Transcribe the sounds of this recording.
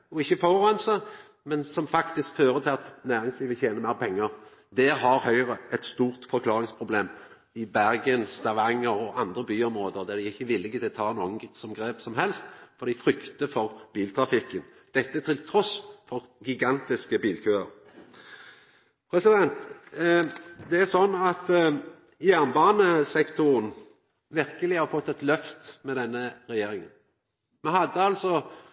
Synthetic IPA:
ɔɪçːəfɔʁɑnsə | mɛnsɔmfɑkt̪ɪskføːɾət̪ʰɪlɑt̪næːɾɪŋsliːʋəçeːnəʁmæɪʁpʰɛŋːəʁ | d̪ɛːɾhɑɾhœʏʁəʔɛt̪st̪uːʁt̪fɔɾkʰlɑːʁɪŋspʰɾʊbleːm | ɪbæʁɡənst̪ɑʋɑŋːəʁɔʔɑnd̪ʁəbyːɔmɾoːd̪əʁd̪ɛd̪ɛɪɪçːəʋɪlːɪɡət̪ʰɪlt̪ʰɑːnoːənsɔmɡɾeːpsɔmɦɛlst̪fɔʁd̪ɪfɾʏkt̪əfɔʁb̥iːlt̪ʰɾɑfɪkːən | d̪̥ɛt̪ːət̪ʰɪlt̪ʰɾɔsfɔʁɡɪɡɑnt̪ɪskəbiːlkʰøːə̰ʁ | pʰɾɛsɪd̪ɛnt̪ | d̪ɛæʁsɔnːɑt̪ | jæʁnbɑːnəsɛkt̪ʊʁən | ʋɪʁkəlɪhɑfɔt̪ːɛt̪lœft̪mɛd̪ɛnːəʁɛjeːɾɪŋən | mɛnhɑd̪ːəɑlsɔ

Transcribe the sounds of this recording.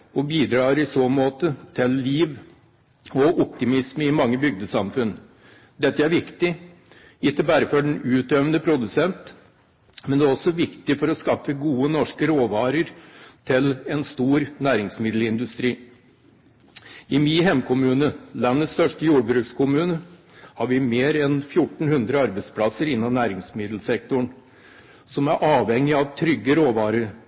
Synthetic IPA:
ɔbiːd̪ɾɑːɾɪsoːmoːt̪ət̪ʰɪlːiːʋ | ɔʔɔp̚t̪ɪmɪsməɪmɑŋːəbʏɡ̚d̪əsɑmfʉn | d̪ɛt̪ːəæɾʋɪkt̪ɪ | ɪt̪ːəbæːɾəfɔɖɛnʉːt̪øʋənəpʰɾʊd̪ʉsɛnt̪ | mɛnd̪ɛæɾɔsɔʋɪkt̪ɪfɔɾɔskɑfəɡuːənɔʂkəɾoːʋɑːɾəɾt̪ʰɪlɛnst̪uːɾnæːɾɪŋsmɪd̪l̩ɪnd̪ʉst̪ɾiː | ɪmɪɦɛmkʰʊmʉːnəlɑnːət̪st̪œʂʈəjuːɖbɾʉːkskʰʊmʉːnə | hɑɾʋɪmeːɾɛnfjʊʈɳ̩hʉnd̪ɾəɑɾbæɪspʰlɑsəɾɪnːɑnæːɾɪŋsmɪd̪l̩sɛk̚t̪ʊɳ | sɔmæɾʔɑːʋhɛŋːɪɑʋt̪ʰɾʏɡːəɾoːʋɑːɾəɾ

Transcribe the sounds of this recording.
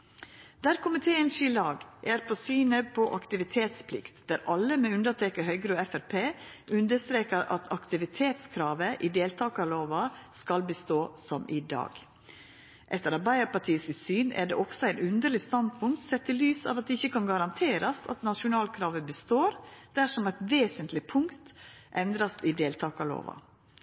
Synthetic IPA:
d̪̥æɾkʰʊmɪt̪ʰeːənsɪlɑːɡʔæɾpʰɔsyːnəpʰɔʔɑkt̪ɪʋɪt̪ʰeːt̪spʰlɪkt̪d̪̥æɾʔɑlːəmeːʉnd̪əʈʰeːkəɦœʏɡɾʉːɛfæɾpʰeːʔʉnd̪əst̪ɾeːkəɾɑ̰t̪ʰɑkt̪ɪʋɪt̪ʰeːt̪skʰɾɑːʋəʔɪd̪eːlt̪ʰɑːkɑloːʋɑskɑlbəst̪oːsɔmʔɪ̰d̪ɑ̰ːɡ | ʔɛt̪ːəɾɑbæɪɑpɑʈʰiːəsɪsyːnæ̰ɖɛ̰ʔɔksɔæɪnʉnd̪əɭɪst̪ɑnd̪̚pʰʊŋkt̪sɛt̪ʰːɪlyːsɑ̰ːʋɑt̪̚d̪ɛɪçːəkʰɑnɡɑɾɑnt̪ʰeːɾɑst̪ɑ̰t̪nɑʃʊnɑːlkʰɾɑːʋəbəst̪oːɾd̪̥æʂɔmæɪt̪ʋeːsənt̪lɪpʰʊŋkt̪ʔɛnd̪ɾɑst̪ɪd̪eːlt̪ʰɑːkɑlo̰ːʋɑ̰

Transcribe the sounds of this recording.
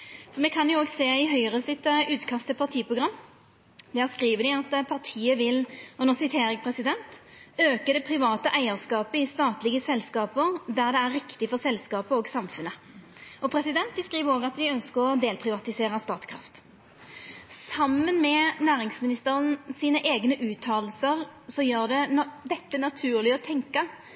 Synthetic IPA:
fɔʁmɛkʰɑnjʊoːɡseːɪɦœʏəʁəsɪt̪ʉːt̪kʰɑst̪əpʰɑʁt̪ʰiːpʰɾʊɡɾɑmː | d̪ɛhæʁskʁiːʋəd̪ɪɑt̪pʰɑʁt̪ʰiːəʋɪlɔnɔsɪt̪ʰeːɾɛɡ̚pʰɾɛsɪd̪ɛnt̪øːkəd̪ɛpʰɾɪʋɑːt̪əʔæɪəʁskɑːpəɪst̪ɑːt̪lɪɡəsɛlskɑːpəɾd̪æʁd̪ɛæɾːɪkt̪ɪfɔʁsɛlskɑːpəɔːɡsɑmfʉnːə | ɔpʰɾɛsɪd̪ɛnt̪̚bəskʁiːʋəɾoːɡɑt̪d̪ɪœnskəʁɔd̪eːlpʰɾɪʋɑt̪ɪseːʁəst̪ɑːt̪kʰɾɑ̰ft̪ | sɑmːənmɛnæːʁɪŋsmɪnɪst̪əʁənsiːnəʔeːɡnəʔʉːt̪ʰɑːll̩səʁsɔjøːʁd̪ɛd̪ɛt̪ːənɑt̪ʰʉːʁlɪɔt̪ʰɛŋkə

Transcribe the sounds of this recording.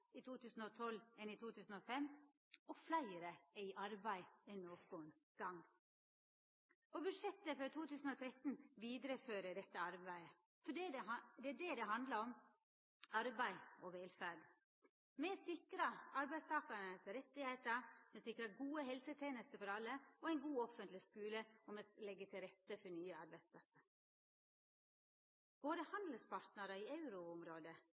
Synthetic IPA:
ɪt̪ʰuːt̪ʉːsn̩ɔt̪ʰɔlːɛnɪt̪ʰuːt̪ʰʉːsn̩ɔfɛmː | ɔflæɪɾəɛɪʔɑɾbæɪɛnːoːɡɡoːən | ɡ̥ɑŋː | ɔbʉd̪ʂɛt̪ːəfɔt̪ʰuːt̪ʉːsn̩ɔt̪ʰɾɛt̪nʋiːd̪ɾəføːɾəd̪ɛt̪ːəɑɾbæɪə | fɔɖd̪ɛæɖɛd̪ɛɦɑnd̪ləɾɔm | ɑɾbæɪɔʋeːlfæɖ | mɛsɪkɾɑɑɾbæɪst̪ʰɑːkɑɾnəsɾɛt̪ːɪheɪt̪əɾmɛsɪkɾɑɡuːəɦɛlsət̪ʰeːnəst̪əfɔɾɑlːəɔæɛɪnɡuːɔfənt̪lɪskʉːləɔmɛlɛɡːət̪ʰɪlɾɛt̪ːəfɔnyːəɑɾbæɪst̪ʰɑːsəɾ | b̥oːd̪əhɑnd̪l̩spʰɑɾʈ̪nəɾəiɑʉɾʊʊmɾoːd̪ə

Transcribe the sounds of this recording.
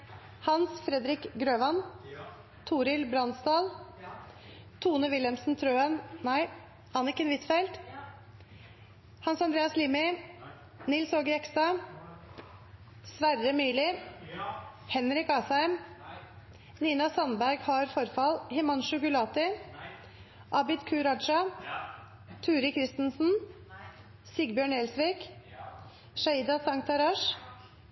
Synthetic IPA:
hɑnsfɾɛd̪ɾɪkɡɾøːʋɑn | t̪ʰuːɾɪlbɾɑnsd̪ɑːl | t̪ʰuːnəʋɪlɛmsnt̪ʰɾøːənnæɪ | hɑnɪkːəɛnʋɪt̪fɛlt̪ | hɑnsɑnd̪ɾeːɑslɪːmɪ | nɪlsoːɡəɾɛkst̪ɑ | sʋæɾəmyːlɪ | hɛnɾɪkɑːsæɪm | niːnɑsɑnbæɾɡhɑɾfɔɾfɑlhɛmɑnʃʊɡʉlɑːt̪ɪ | ʔɑbɪt̪kʰʉːɾɑd̪ʃɑ | t̪ʰʉːɾɪkʰɾɪst̪n̩sn̩ | sɪɡbjøːɳeːlsʋiːk | ʃɑiːd̪ɑsɑŋt̪ʰɑɾɑːʃ

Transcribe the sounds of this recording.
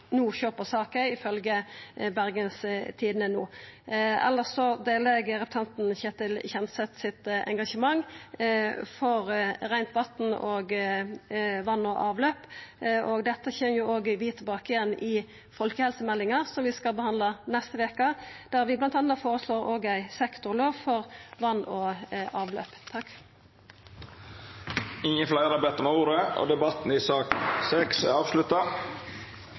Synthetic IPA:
nuːçøːpəsɑːkəɪfœlɡəbæʁɡənst̪ʰiːd̪nənuː | ɛ̰lːəsɔd̪eːlɛɡəɾɛp̚ʰt̪ʰɑnt̪n̩çɛːt̪ɪlçɛnsɛt̪sɪt̪ɛ̰ŋɡɑʂəmɑŋː | fɔɾɾæɪnt̪ʋɑt̪nɔːɡ | ʋɑnːɔʔɑːʋløːpʔɔɡd̪ɛt̪ːəçɛnjʊoːɡəʋɪt̪ʰɪlbɑːkɪjɛnːʔɪ | fɔlkəhɛlsəmɛlːɪŋɑʁsɔmʋɪskɑbəhɑnd̪lɑnɛst̪əʋeːkəd̪̥æːʁʋɪblɑnt̪ɑnːɑfoːʁəsloːʁoːɡæɪsɛkt̪ʊʁloːʋfɔʁʋɑnːɔɑːʋlø̰ːpt̪ʰɑkː | ɪŋːənflæɪəɾɑbɛt̪ːəmɛuːɾəʔɔ̰d̪ɛbɑt̪n̩ɪsɑːksɛksɛɑːʋslʉt̪ɑ

